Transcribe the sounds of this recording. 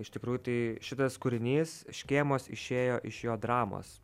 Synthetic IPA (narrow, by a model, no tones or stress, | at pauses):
ɪʃt̪ʲɪkɾuːjʊt̪ɐɪʃʲɪt̪ɐskʊɾʲɪnʲiːsʃʲkʲeːmoːsɪʃʲeːjoːʔɪʃjoːd̪ɾɑːmo̰ːs